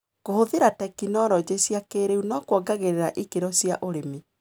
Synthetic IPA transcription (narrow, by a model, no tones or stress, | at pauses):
kohoðeɾatɛkinɔɾɔd͡ʒesjakeɾeunɔkwɔɡaɣeɾeɾaʔikeɾɔsjaʔoɾeme